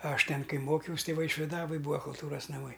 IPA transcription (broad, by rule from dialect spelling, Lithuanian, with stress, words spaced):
ˈɐʃ ˈtʲɛn ˈkɐɪ ˈmoːkʲɛʊsʲ ˈtɐɪ ʋɐɪʃʲʋʲɪˈdɑːʋoːj ˈbuːɐ kʊlˠˈtuːrɐs nɐˈmɐɪ